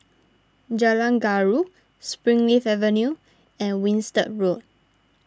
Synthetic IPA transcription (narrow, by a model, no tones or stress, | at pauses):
d͡ʒalãnɡaɹu | spɹĩŋlifɛvə̃nju | ɛ̃nwĩnstə̰ɹot̚